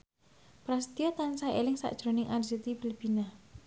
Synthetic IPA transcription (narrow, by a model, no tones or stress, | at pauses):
pɾas̬t̪iɔt̪ansaelɪŋsa̰ʔd̥ʒ̥ɾo̤nɪŋʔarzit̪ib̥ilb̥i̤na